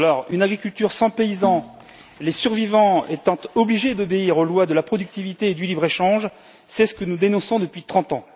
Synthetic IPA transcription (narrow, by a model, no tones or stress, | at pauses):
alɔʁynaɡʁikʲylt̪yʁsɑ̃peizɑ̃ | lesyʁvivɑ̃ḛt̪ɑ̃t̪ɔbliʒed̪ɔbeiʁolwad̪əlapχɔd̪yk̚t̪ivit̪eːd̪ylibʁeʃɑ̃ʒ | sɛsə̥kənud̪enɔ̃sɔ̃d̪əpɥit̪χɑ̃t̪ɑ̃